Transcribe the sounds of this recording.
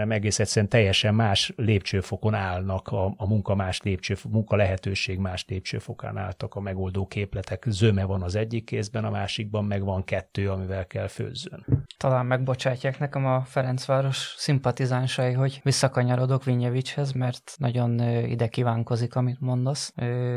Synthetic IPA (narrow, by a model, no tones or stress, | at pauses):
nɛmɛɡeːsɛt̪sɛɾɛnt̪ɛjːɛʃɛmːaːʃleːp̚t͡ʃøːfoko̞naːlnɒkʰɒːmuŋkɒmaːʃleːp̚t͡ʃøːfmuŋkɒlɛɦɛt̪øːʃeːɡmaːʃleːp̚t͡ʃø̰ːfo̞ka̰ːna̰ːlt̪ɒkɒmɛɡo̞ld̪oːkʰeːplɛt̪ɛkzømɛvɒnɒzɛɟːikːeːzbɛnɒmaːʃiɡ̚bɒmmɛɡʋɒŋkɛt̪ːøːɒmivɛlkɛlfø̰ːzːø̰nt̪ɒlaːmːɛɡ̚bo̞t͡ʃaːcːaːknɛkɛmɒfɛɾɛnt̪sʋaːɾo̞ʃsimpɒt̪izaːnʃɒjiɦo̞ɟʋisːɒkɒɲɒɾo̞d̪o̞kʋiɲɛvit͡ʃhɛzmɛrt̪nɒɟo̞nḭd̪ɛkiːvaːŋko̞zikɒmit̪mo̞nd̪osøː